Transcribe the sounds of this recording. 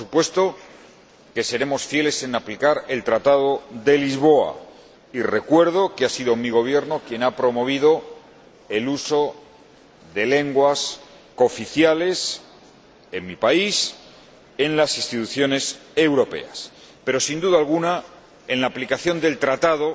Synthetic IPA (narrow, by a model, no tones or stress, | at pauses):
osupwe̞st̪o̞ | ke̞se̞ɾe̞mo̞sfje̞le̞se̞naplikaɾe̞lt̪ɾat̪að̞o̞ðe̞lizβo̞a̰ | ire̞kwe̞ɾðo̞keasiðo̞miɣ̞o̞β̞je̞ɾno̞kje̞napɾo̞mo̞β̞ið̞o̞ | e̞luso̞ | ðe̞le̞ŋɡwas | ko̞fiθjale̞s | e̞nmipais | e̞nlasĩnst̪it̪uθjo̞ne̞se̞wɾo̞pe̞̰a̰s | pe̞ɾo̞sind̪uðalɣ̞una | e̞nlaːplikaθjo̞nd̪e̞lt̪ɾat̪aðo̞